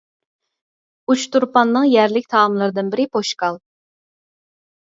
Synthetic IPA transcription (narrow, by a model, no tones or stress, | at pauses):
ut͡ʃt̪uɾpɑnːɨŋjæɾlɪkʲt̪ʰɑːmlˠɨɾɨd̪ɨnbɪɾɪpʰoʃkɑlˠ